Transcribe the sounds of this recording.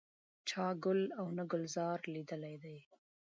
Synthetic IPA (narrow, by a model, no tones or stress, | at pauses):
t͡ʃɑɡʊlawnaɡʊlzɑɾlid̪əlajd̪aj